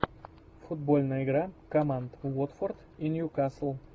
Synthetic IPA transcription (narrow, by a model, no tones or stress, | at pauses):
fʊt̪̚bolʲˠnɐɪɡʲɾakomand̪vot̪foɾd̪ | ɪnjʊkasl̩ˠ